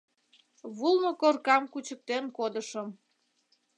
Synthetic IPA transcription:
βulˠnokorkɑmkut͡ɕək̚t̪enkod̪əʃəm

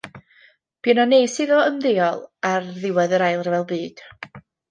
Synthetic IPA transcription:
b̥inɔneːsɪðɔəmðeːɔlˠarðɪwɛðəɾajlˠrvɛlˠbɨːd̥

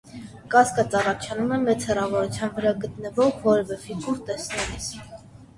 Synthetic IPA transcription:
kɑskɑt͡sɑrɑt͡ʃʰɑnumɛmɛt͡shɛrɑvɔɾut͡sʰjɑnvəɾɑɡət̪nəvɔʁvɔɾɛvɛfikuɾt̪ɛsnɛlis

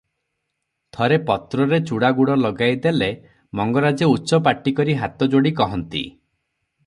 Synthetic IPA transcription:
t̪ʰɔɾepɔt̪ɾɔɾet͡ʃuɽaɡuɽɔlɔɡajd̪ele | mɔŋɡɔɾad͡ʒeutːʃɔpaʈːikɔɾiɦat̪ɔd͡ʒoɽik̬ɔɦɔnt̪ḭ

